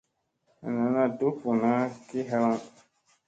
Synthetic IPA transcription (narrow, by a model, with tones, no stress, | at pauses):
a˨nã˨˦nã˧do˦fo˨nã˦ki˦ɦɛ˧lã˦